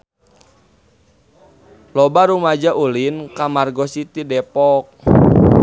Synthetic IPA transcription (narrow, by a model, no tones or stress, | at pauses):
lɔbaɾumad͡ʒaʔulinkamarɡɔsit̪idɛpɔk̚